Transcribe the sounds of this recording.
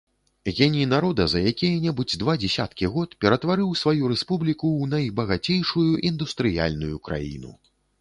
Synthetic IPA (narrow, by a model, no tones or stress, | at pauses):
ɣʲɛnʲinaɾɔd̪ɐzɐjakʲijɐnʲɛbud͡zʲd̪vad͡zʲɛsʲat̪kʲiɣɔt̪pʲɛɾɐt̪vaɾɨwsvajuɾɛspublʲikuwnɐjbɐɣat͡sʲejʂujuʔind̪ust̪ɾɨja̰lʲnujukɾʔa̰jḭnṵ